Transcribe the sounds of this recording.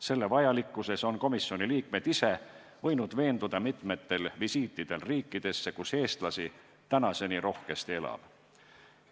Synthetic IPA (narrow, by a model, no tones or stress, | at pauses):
se̞lːe̞vɑjɑlikːˑuse̞so̞nko̞misːio̞niliːkme̞d̪̥ise̞ | vɤ̞jnud̪ve̞ːnd̪ud̪̥ɑmit̪ˑme̞t̪ːe̞lvisiːt̪ːˑid̪̥e̞lriːkˑːid̪̥e̞sːe̞kuse̞ːst̪lɑsi | t̪ænɑse̞niɾʔo̞hke̞st̪ie̞lɑ̰b̥